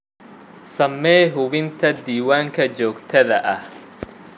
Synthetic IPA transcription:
sɐmːɛːɦʊβɪnt̪ʰɐd̪iːwaːŋkʰɐt͡ʃɔːɡt̪ʰɐðɐʔɐh

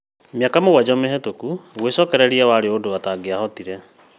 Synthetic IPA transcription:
mjakamoɣwad͡ʑɔmeɦɛtokuɣwesɔːkɛɾɛɾiawaɾeodoataɡeaɦɔtiɾɛ

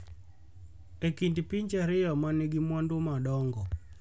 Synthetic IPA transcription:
ekindpiɲt͡ʃaɾɪjɔmaneɡimwandʊmaɗɔŋɡɔ

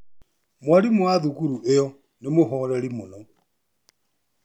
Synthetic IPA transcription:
mwaɾimwaðukuɾuʔejɔ | nemoɦɔɾɛɾimonɔ

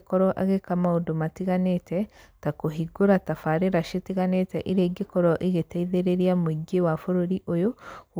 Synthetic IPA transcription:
kɔɾɔʔa̰ɣekamaodomatiɣanetɛ | takoɦiɡoɾatafaɾeɾaʃetiɣanetɛʔiɾeɡikɔɾɔʔiɣeteiðeɾeɾiamuiɡewafoɾoɾiʔojo

